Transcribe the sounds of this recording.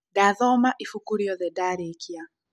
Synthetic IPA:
daðɔmaʔifukuɾiɔðɛdaɾekʰia

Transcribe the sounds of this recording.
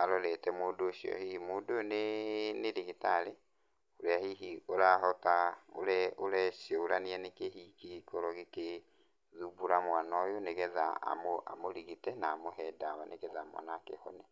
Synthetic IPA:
aɾɔɾɛtɛmoːdoːʃjɔ̰hihimoːdoneneɾehetaɾe | oɾeahiɦioɾaɦɔtao̰ɾɛoɾɛʃjɔoɾaniɛnekehikikɔɾɔɣeke | ðubuɾamwanɔjoneɣɛðaa̰moa̰moɾiɣitɛnaːmohɛdawanʔeɣɛðaːmwa̰naːkḛhɔ̰ne

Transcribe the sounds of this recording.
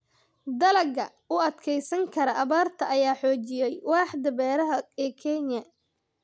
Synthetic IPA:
d̪ɐlɐɡɐ | ʊɐd̪kʰɛjsɐŋkʰɐɾɐʔɐβaːrt̪ʰɐʔɐjaːħɔːt͡ʃɪjɛjwɑːħd̪ɐbɛːɾɐɦɐɛːkʰɛɲːɐ

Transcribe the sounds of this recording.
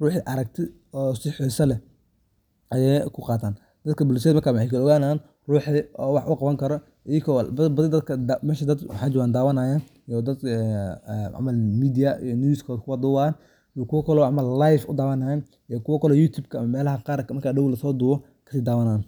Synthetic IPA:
ruːħiʔɐɾɐk̚t̪ʰɪ | ɔːsɪħɔːsɐlɛ | ʔɐjɛjkʰʊqɑːt̪ʰaːn | d̪̥ɐd̪kʰɐbʊls̬ɛːd̪mɐrkʰaːwħejkʰɐɔɣaːnaːn | ruːħiɔwɑħʔʊqɑβɐŋkʰɐɾɔ | ʔikʰɔlbbɐðɪd̪ɐd̪kʰɐd̪mɛːʃɐd̪ɐd̪ħɑːd͡ʒɪwaːnd̪aːwɐnaːjan | jɔd̪ɐd̪ | ʕ̰mɐlmiːd̪ɪjɐijɔnuskʰɔːd̪kʰʊwɐd̪ʊːwan | jɔkʰʊwɐkʰɔlɔʕmɐllajfʊ̰d̪aːwɐnajɐn | ijɔkʰʊwɐkʰɔlɔjuːt̪ʰuːbkʰɐmɐmɛːlɐɦɐqɑːɾkʰɐmɐrkʰaːɖɐwlɐsɔːd̪ʊːwɔ | kʰɐ̥siːd̪aːwɐnaːn

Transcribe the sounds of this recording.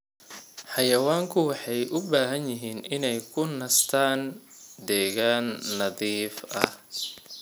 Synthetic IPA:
ħɑjɐwaːŋkʰʊwɑħɑjʔʊbaːɦɐnjɪɦiːnʔɪnɛjkʰʊnɐst̪ʰaːnd̪ɛːɣaːnːɐðiːfɐ̰h

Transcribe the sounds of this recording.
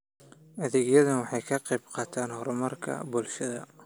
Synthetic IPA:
ʔɐðɛːɡjɐðɐnwɑħɑjkʰɐqɑjbqɑːt̪ʰaːnhɔɾɔmɐrkʰɐ̰bʊlʃɐðɐ̰

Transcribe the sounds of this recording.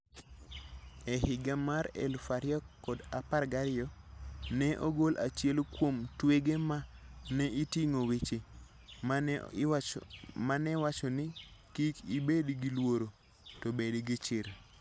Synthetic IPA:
ɛhɪɡamaɾɛ̰lfaɾjɔkːɔdaparɡaɾɪɔnɛʔoɡolʔa̰t͡ʃjɛlkwomtweɡemanɛitiŋowet͡ʃe | manɛwat͡ʃɔnɪkikibedɡilwoɾo | tobedɡɪt͡ʃɪɾ

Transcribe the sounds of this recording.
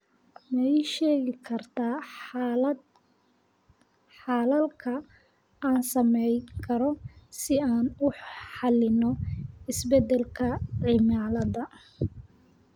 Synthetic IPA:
mɛjʃɛːɣɪkʰɐrt̪ʰaː | ħɑːlɐlkʰɐ | aːnsɐmɛjkʰɐɾɔsɪaːnʊħħɑlɪnɔɪsbɛd̪ɛlkʰɐʕɪmaːlɐðɐ

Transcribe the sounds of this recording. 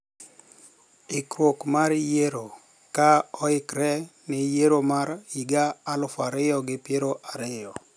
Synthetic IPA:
ɪkɾwokmaɾjeɾo | kaɔɪkɾɛnɪjeɾomaɾiɡaːlʊfaɾɪjɔɡɪpjeɾoʔaɾɪjɔ

